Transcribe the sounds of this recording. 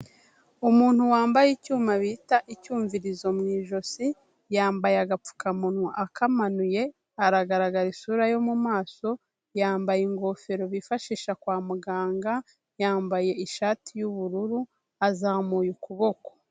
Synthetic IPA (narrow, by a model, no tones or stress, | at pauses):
umuːn̥huwaːmbajicuːmaβitaʔicuːɱviɾizo̞mŋiːʒo̞si | jaːmbajeaɡap͡fu̥kamunuʔakamanuje̞ | aɾaɡaɾaɡaɾisuːɾajo̞mumaːso̞ | jaːmbajiŋɡo̞fe̞ɾo̞βifaʃiːʃakwaːmuɡaːŋɡa | jaːmbaje̞iʃaːtijuβuɾuɾu | azaːmuːjukuβo̞ko̥